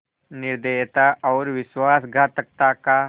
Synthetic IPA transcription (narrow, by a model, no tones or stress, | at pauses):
niɾd̪eet̪aʔɔwɾʋisʋasɡʱat̪ək̚t̪aka